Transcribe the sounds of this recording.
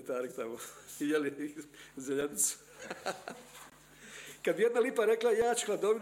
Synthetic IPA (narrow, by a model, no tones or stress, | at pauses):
t̪aɾkt̪amojelizeʎanit̪su̥ | kad̪bijed̪nalipaɾeklˠajaːt͡ʃu̥xlad̪oʋi